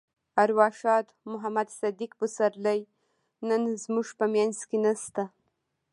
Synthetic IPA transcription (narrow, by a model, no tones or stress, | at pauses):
aɾwɑʃɑt̪mʊɦamad̪sad̪iq̚busaɾlaj | nənzmuʐpəmjanzkenast̪a